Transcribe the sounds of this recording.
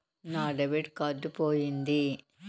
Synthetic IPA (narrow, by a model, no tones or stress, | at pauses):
naːɖɐʋiʈkɐɖːupoːjind̪i